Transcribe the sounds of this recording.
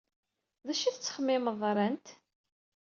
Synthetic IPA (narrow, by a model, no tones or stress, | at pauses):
ðæʃiθət͡sːə̥χəmːɪməðˤɾˤənt̪